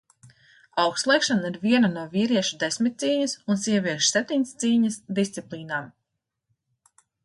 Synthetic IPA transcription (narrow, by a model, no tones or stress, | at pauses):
awkslˠɛjkʃanaiɾviɛnanuɔviːɾiɛʃud̪esmit̪̚siːɲɐsunsiɛviɛʃsɛp̚t̪ʲiɲʲst̪siːɲɐsd̪ist̪siplˠiːnaːm